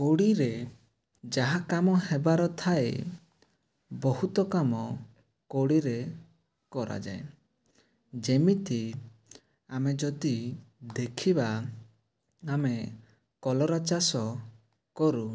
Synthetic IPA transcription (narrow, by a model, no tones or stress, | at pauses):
koɽiɾe | d͡ʒaɦakamɔɦebaɾɔt̪ʰaḛ | bɔhut̪ɔkamɔ | koɽiɾe | kɔɾa̰d͡ʒa̰e | d͡ʒemit̪i | amed͡ʒɔd̪id̪ekʰiba | ame | kɔlɔɾat͡ʃasɔ | kɔɾu